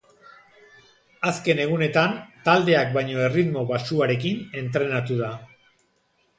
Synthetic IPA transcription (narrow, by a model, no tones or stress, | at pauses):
aske̞ne̞ɣ̞une̞t̪ant̪ald̪e̞ak̚bajɲo̞e̞rit̪mo̞βasuaɾe̞kine̞nt̪ɾe̞nat̪uða